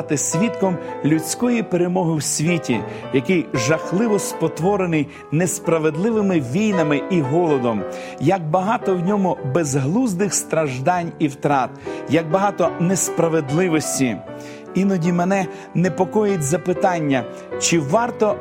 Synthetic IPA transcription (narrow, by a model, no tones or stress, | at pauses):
t̪ɪsʲʋʲit̪kɔmlʲʉt͡sʲkɔjipeɾemɔɦɪwsʲʋʲitʲḭ | jɐkɪjʒɐxlˠɪʋɔspɔt̪ʋɔɾenɪj | nespɾɐʋed̪lˠɪʋɪmɪʋʲijnɐmɪiɦɔlˠɔd̪ɔm | jɐɡ̚bɐɦɑt̪ɔwnʲɔmʊbezɦlˠuzd̪ɪxst̪ɾɐʒd̪ɑnʲiwt̪ɾɑt̪jɐɡ̚bɐɦɑt̪ɔnespɾɐʋed̪lˠɪʋɔsʲtʲi | inɔdʲimɛnɛ | nepɔkɔjʊtʲzɐpɪt̪ɑnʲːɐ | t͡ʃɪʋɑrt̪ɔ